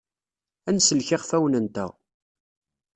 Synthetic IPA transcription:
ænsəlçɪʁfæwnənt̪æ̰

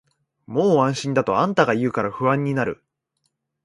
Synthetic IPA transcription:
mo̞ːãɰ̃ɕĩnd̪at̪o̞ãnt̪aɡajɯ̟ːkaɾaɸɯ̟βãɲ̟ːinaɾɯ̟̰

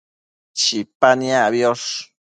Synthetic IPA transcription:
t͡ʃipaniaβjoʂ

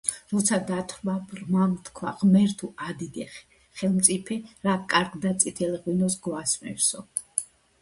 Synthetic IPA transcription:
ɾɔt̪sʰad̪at̪ʰmabrmamt̪kʰwa̰ʁmɛɾt̪ʰuad̪id̪ɛχɛ̥ | χɛlmt̪sʼipʰɛɾakʼaɾɡd̪at̪sʼit̪ʰɛliʁwinɔsɡwasmɛ̰ɾsɔ

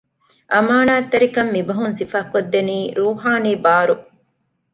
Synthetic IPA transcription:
ʔɐmaːnaːt̪ːɐɾikɐmːibɐɦunsifɐːkod̪ːeniːɾuːɦaːniːbaːɾu

